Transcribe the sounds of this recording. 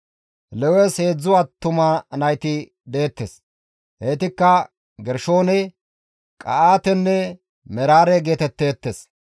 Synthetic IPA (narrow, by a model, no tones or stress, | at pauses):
lɛwɛshe̞ːd͡zːʊwaːt̪ːʊmanɐjt̪ɪ | d̪e̞ːt̪ːes | heːt̪ɪkːɐ | ɡɛɾʃo̞ːnɛ | kʼɐ̰ʔaːt̪ɛnːɛ | mɛɾaːɾɛɡeːt̪ɛt̪ːe̞ːt̪ːes